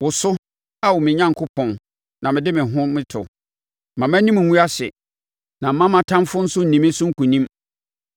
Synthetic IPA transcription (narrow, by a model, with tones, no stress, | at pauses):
wʊ˨sʊ˦ | a˦wʊ˨mɪ̃˨ɲã˦ŋkʰʊ˦pʰɔ̃˨n | nã˨mɪ̃˨dɪ˦mɪ̃˨ɦʊ̃˦mɪ̃˦tʰʊ̰˨ | mã˨mæ̃˦nĩ˦m̃˨ŋũ˦a˦ɕɛ˨ | nã˨m̩˨mã˦mã˨tʰã˦mfʊ˦n̩˦sʊ˦n̩˨nĩ˨mɪ̃˦sʊ˦ŋ̩˦kʰu˨nĩ˦m